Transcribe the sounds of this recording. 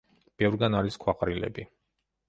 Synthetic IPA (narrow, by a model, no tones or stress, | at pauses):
b̥ɛvɾɡanaɾiskʰwaqʼɾilɛ̰bi